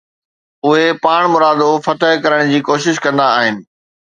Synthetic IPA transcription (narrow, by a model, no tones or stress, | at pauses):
ʊɦepaːɽ̃mʊɾaːd̪ofɐt̪əɦkɐɾəɽ̃d͡ʑiːkoːʃɪʃkɐ̃nd̪aːɦɪnɪ̆